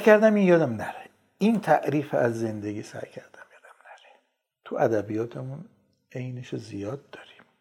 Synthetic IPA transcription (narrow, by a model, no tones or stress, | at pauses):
skʰæɾd̪æmiːnjɒːd̪æmnæɾe | int̪ʰæʔɾiːfæzːe̞nd̪eɡʲiːsæ̰jcʰæ̰ɾd̪̥æmjɒːd̪æmnæɾe̥ | t̪ʰuʔæd̪æbijɒːt̪ʰemun | e̞jneʃozijɒːd̪̚ːɒːɾi̥m